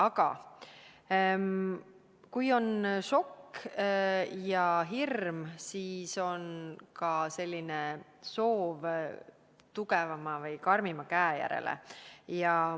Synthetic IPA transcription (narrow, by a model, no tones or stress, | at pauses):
ɑɡ̥ɑ̰ | kujo̞nʃo̞kː | jɑɦirmsiːso̞nkɑse̞lʲːine | so̞ːv | t̪uɡevɑmɑvɤjkɑrmimɑkæːjæ̰ɾḛlḛjɑ